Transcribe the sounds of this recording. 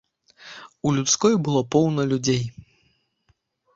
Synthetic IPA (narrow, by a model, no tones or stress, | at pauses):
ulʲut̪skɔjbɨlˠɔpɔwnɐlʲud͡zʲej